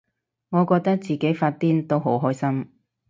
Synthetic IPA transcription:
ŋɔː˨˧kɔː˧k̚t̪ɐ˥k̚t͡siː˨˩ke˨˥jfaː˧t̚t̪iː˥nt̪o˥wɦo˨˥wɦɔː˥jsɐ˥m

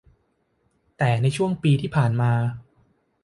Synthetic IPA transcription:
t̪ɛː˨˩na˧jt͡ɕʰu˥˩əŋpiː˧t̪ʰiː˥˩pʰaː˨˩nmaː˧

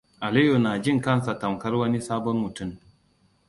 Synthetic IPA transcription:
ʔa˨li˦ju˨naː˨d͡ʒi˦ŋka˦˨n˨sa˨ta˨mka˦ɾwɐ˦ni˦saː˦bɔ˦nmu˨tu˦˨m

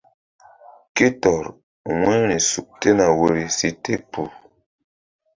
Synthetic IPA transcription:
ki˦tɔ˨ɾ | ŋwe˦ɾi˨su˨k̚te˦na˨we˦ɾi˨si˦te˦pu˨

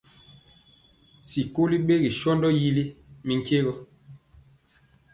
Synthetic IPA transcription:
si˨ko˦li˦ɓe˦ɡi˨ʃɔ˦ndɔ˦ji˦li˦mi˨ŋ˦ke˦ɣɔ˦

